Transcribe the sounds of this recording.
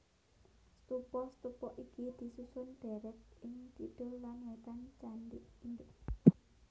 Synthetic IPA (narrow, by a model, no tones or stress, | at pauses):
st̪upɔst̪upɔʔikid̪̥i̤susʊnɖ̪̥ɛɾɛt̪̚ɪŋt̪iɖ̪̥ʊllanwat̪ant͡ʃandɪʔind̪ʊʔ